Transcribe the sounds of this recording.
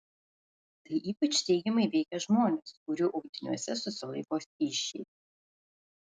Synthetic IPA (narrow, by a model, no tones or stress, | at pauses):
t̪ɐɪʔiːpɐt͡ʃt̪ʲɛɪɡʲɛmɐɪʋʲɛɪkʲɛʒmoːnʲɛskʊɾʲʊʔʊɡd̪ʲɪnʲṵɔsʲɛsʊsʲɪlˠɐɪkoːsʲiʃʲːɛ̰ɪ